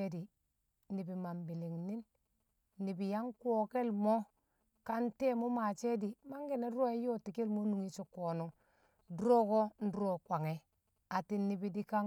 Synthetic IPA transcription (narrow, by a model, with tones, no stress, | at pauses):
e˦di˨ | ni˨bi˨ma˨mbi˨li˨ŋni˦nː | i˨bi˨ja˦ŋkwo˨ke˦lmo˦ | ka˦nte˦mo˦ma˨t͡ʃe˦di˨ma˦ŋɡe˨ne˦do˦e˦jo˦ti˨ke˦lmo˦nu˨ŋi˦t͡ʃo˨ko˨nu˨˦ŋ | du˦ɾo˦ko˦n̩˦du˦o˦kʷa˨ŋe˨ | a˨ti˨nːi˨bi˨di˦ka˦ŋ